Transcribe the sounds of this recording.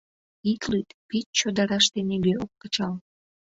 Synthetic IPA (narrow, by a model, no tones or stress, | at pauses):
it̪lyt̪pit̪̚t͡ɕod̪ɑɾɑʃt̪eneɡøok̚kət͡ɕɑl